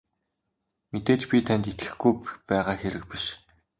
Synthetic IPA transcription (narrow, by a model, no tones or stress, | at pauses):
met̪eːt͡ɕpʲit̪ʰænʲt̪et̪ɡɘ̆xɡujpæːʁaːxeɾɘ̆k̚piʃ